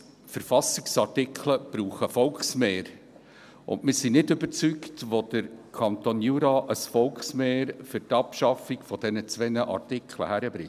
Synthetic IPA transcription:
fəɾfɑsɪksɑrtɪkʰχləb̥ɾuːχəfɔlksmeːɾ | ʊ̰nmɪsinɪdɵbəɾt͡syktʋod̥əɾkʰɑnt̪onjuɾɑːʔəsfɔlksmeːɾfʏɾtɑpʃɑfikfɔd̥̪ɛnət͡sʋɛnəʔɑ̰rtɪkʰlə̰hæɾəb̥ɾɪ

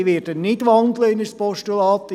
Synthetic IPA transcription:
ʋeːɾd̥ənnɪdʋɑnd̪ləɪnəspɔʃtulɑːt̪ː

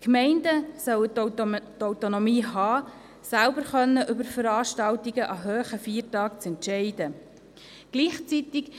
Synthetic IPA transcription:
kmɛɪndəsœwəttɔwtonomiːɦɑː | sælbəɾχœnːəʔʏbəɾfəɾɑːʃtɑltiɡəʔɑɦøːχəfiːɾtɑːkt͡sɛntʃɛɪd̥ə | ɡ̥liːχt͡sit̪ik

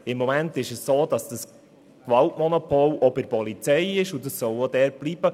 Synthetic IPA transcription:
ɪmːɔmɛntɪʃəssoːd̥ɑsd̥əs | kʋɑltmɔnopʰolobɪɾpɔlit͡sɛɪɪʃʊdəssɔlod̥ɛːɾb̥liːb̥ə

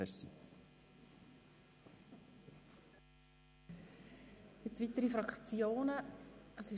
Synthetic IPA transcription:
ɛɾsḭ | jɪt͡sv̥it̪əɾifɾɑkt͡sjoːnəəsɪ

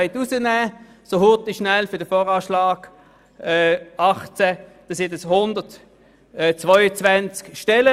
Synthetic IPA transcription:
ɪtusənæː | sohʊtiʃnælfʏdəfɔːʁaːʃlaːɡ̥ː | ɑχt͡sɛd̥ɑsɪdəshʊndətː | t͡svɔʏət͡sʋant͡skʃtɛlə

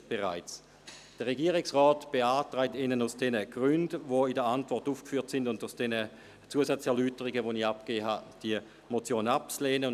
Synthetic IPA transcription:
b̥eʁa̰ɪt͡s | d̥əʁeɡiːəʁɪksʁɔːtb̥eaːtʁaɪtɪnənaʊsd̥ɛnəɡ̥ʁʏndvoidəɐantvɔɐtuːfkfyːɐtsɪndʊndaʊsd̥ɛnə | t͡suəsat͡sɛɐlyːtəʁiɡəvoniap̚ɡ̥eːɦad̥iə | mot͡sjoːnap̚t͡sleːnə

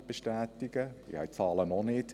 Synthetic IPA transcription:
b̥eʃtæːt̪iɡ̥əḭhɛ̰jtfɑːlənɔnɪt

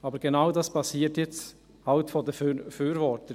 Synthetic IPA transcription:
ɑːbəɾɡ̥enaʊdɑspʰɑsiːtjɛt͡st | haʊtfodəffyːɾvɔɾtə

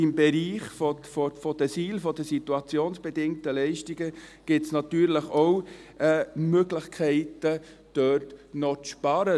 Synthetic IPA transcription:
ɪmbɛɾiːχfɔfɔfɔd̥əsiːlfɔdəsit̪uɑt͡sjoːnsb̥ɛdɪŋtəlɛɪʃtiɡəɡ̥ɪtsnɑtyːɾləχowɛːmøɡləχkʰɛɪtə | d̥œtnɔt͡sʃpɑɾə

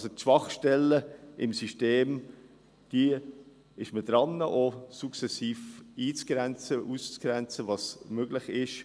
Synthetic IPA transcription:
ɑsotʃv̥ɑχʃtɛlːəɪmsyʃteːm | d̥i | ɪʃmədɾɑnəʔosuksɛsiːfiːt͡sɡ̥ɾɛnt͡səʔust͡sɡ̥ɾɛnt͡səvɑsmøɡ̥lɪχɪʃ

